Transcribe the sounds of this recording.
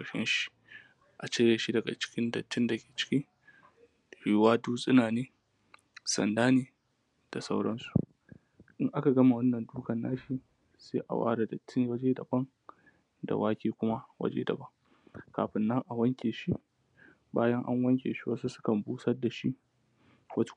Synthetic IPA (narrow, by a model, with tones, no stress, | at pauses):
kɐ˨ʃɛ̰˦nʃi̥˦ | ʔa˨t͡ʃeː˦ɾeː˨ʃi˦dɐ˨ɡa̰˨t͡ʃɪ̥˦kʲɪ˦ndɐ˨tːɪ˦nda˨kʲeː˨t͡ʃɪ̥˦kʲi˦ŋ | hiː˦waː˦duː˦sʼɪ˦naː˨neː˦ | sɐ̰˨ndaː˦neː˨ | d̥a˨sa˦wɽɐ˦nsu˨ | ʔɪ˦ŋʔa˦ka˨ɡɐ˦ma˨wɐ˦nːɐ˨nduː˦kɐ˨nːaː˦ʃi˦ | sḛː˦ʔa̰˨wa̰ː˦ɽa˨dɐ˨tːɪ˦ŋwɐ˦d͡ʒeː˦dɐ̰˨bɐ˦ŋ | da̰˨waː˦kʲeː˦kʷʊ˦ma˦wɐ̰˦d͡ʒḛː˦dɐ̰˨bɐ˦ŋ | kaː˨ɸɪ˦nːɐ˦ŋʔa˨wɐ˦ŋkʲeː˨ʃi˦ | baː˦jɐ˦ŋʔa̰˦ŋwɐ˦ŋkʲḛː˨ʃi˦wɐ˦su˦sʊ̥˦kɐ˨mbuː˦sɐ˦rda˨ʃi˦ | wɐ˦t